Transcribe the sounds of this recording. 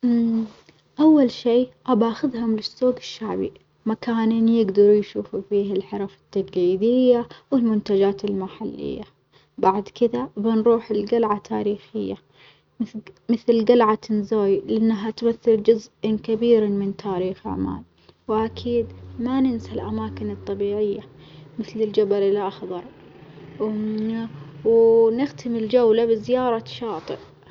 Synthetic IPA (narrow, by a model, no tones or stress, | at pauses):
ʔawːalʃiːʔabaʔaxʊðɦʊmlɪsːuːɡɪʃːaʕbḭ | makaːninjɪɡd̪ɑɾˤjʃuːfufiːhalħɑɾˤɑfɪ̥t̪ːaɡiːd̪ɪjːawɪlmʊnt̪ad͡ʒaːt̪ɪlmaħalːɪ̰jːa | baʕd̪kɪd̪abɪnɾˤuːħɪlɡalʕat̪ʰaːɾiːxɪjːa | mɪθlɡalʕat̪ɪnzoːjlɪʔanːɦat̪maθːɪld͡ʒʊzʔɪnkabiːɾmɪnt̪ʰaːɾiːxa̰ʕma̰ːl | wʔakʰiːd̪manɪnsalʔamaːkɪnɨt̪ˤːɑbiːʕɪjːa | mɪθlɪld͡ʒabalɪlʔɑxðˤɑɾˤ | wnɪxt̪ɪmɪld͡ʒawlabɪzɪjɑːɾˤɑʃɑːt̪ˤɨ̰ʔ